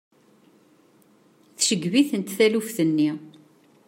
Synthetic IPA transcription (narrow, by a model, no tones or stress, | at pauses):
θʃəɡviθənt̪θælufθənːi